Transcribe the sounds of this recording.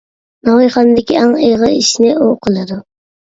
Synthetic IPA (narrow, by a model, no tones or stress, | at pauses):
nɑwijχɑnd̪ɪkʲiɑŋeʁəiʃnɪʔoqʰəlˠɨd̪u